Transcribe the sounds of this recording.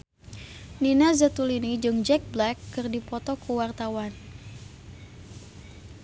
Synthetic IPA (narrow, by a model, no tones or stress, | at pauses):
ninazat̪ulinid͡ʒɨŋd͡ʒɛk̚blɛkːɨrdipɔt̪ɔkuwart̪awan